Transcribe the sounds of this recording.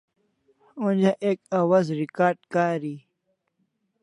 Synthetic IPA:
und͡ʑaʔeːkawazɾikaːɾɖkaːɾi

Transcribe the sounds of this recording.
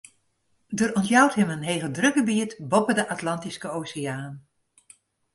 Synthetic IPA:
dəɾɔntjɑwtɦɛmənɦejχədrɵɡəbiːtbɔpədəʔatlɑntiskəowsɪaːn

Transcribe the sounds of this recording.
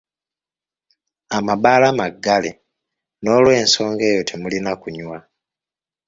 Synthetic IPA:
amabaːlamaɡːale | no̞ːlwe̞ːnso̞ːŋɡe̞ːjo̞tʰemulinakuɲwa

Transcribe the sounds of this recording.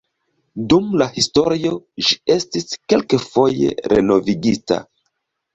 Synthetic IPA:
dumlahisto̞ɾio̞ʒie̞stiske̞lkefo̞jḛɾe̞̰no̞viɡita̰

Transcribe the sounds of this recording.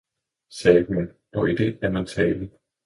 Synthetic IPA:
sɛːɡ̥mæn | ɒ̽id̥e̝æɐmænt͡sʰɛːlə

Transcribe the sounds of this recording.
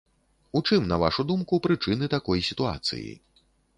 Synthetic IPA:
ut͡ʂɨmnɐva̰ʂud̪umkupɾɨt͡ʂɨnɨt̪akɔjsʲit̪ua̰t̪sɨ̰jḭ

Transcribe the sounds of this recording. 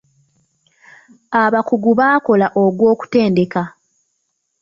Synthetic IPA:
aβakuɡuβaːko̞laʔoɡwo̞ːku̥te̞ːnde̞ka

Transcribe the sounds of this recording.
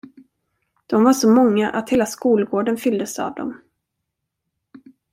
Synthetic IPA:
d̪̥ɔmvaʂɔmɔŋːaʔat̪heːlaskuːlɡoːɖənfʏld̪əsa̰vd̪ɔ̰m

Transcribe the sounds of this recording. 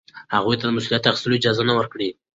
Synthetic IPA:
haɣujt̪ad̪əmʊslijat̪ːaxsuloid͡ʒɑzanawəɾkɽi

